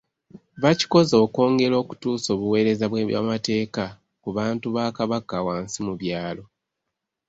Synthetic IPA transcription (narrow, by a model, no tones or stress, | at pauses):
βaci̥ko̞zo̞ːko̞ːŋɡe̞lo̞ːku̥tuːso̞ːβuwe̞ːɾe̞zaβweβwa̰mate̞ːka | kuβaːntuβaːkaβakawaːnsimuβjaːlo̞